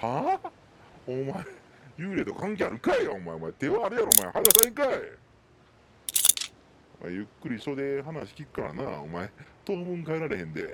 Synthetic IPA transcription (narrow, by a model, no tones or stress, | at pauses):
ha | omae | jɯːɾe̞t̪o̞̰kãŋkʲeaɾɯ̟kaiaomaeomaet̪e̞βaːɾɯ̟jaɾoːmaehad̪asaĩkae | oma̰ḛjɯ̟kːɯ̟ɾʲiɕo̞d̪e̞ɦanaɕi̥kʲikɯ̟̥kaɾa̰na̰ːo̰maet̪o̞ːbɯ̟̃ŋkaeɾaɾe̞hẽ̞nd̪e̞̰